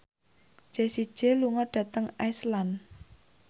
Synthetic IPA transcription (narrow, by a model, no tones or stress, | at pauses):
d͡ʒ̥esi̥ʒ̥e̤luŋɔɖ̥ä̤t̪əŋaislan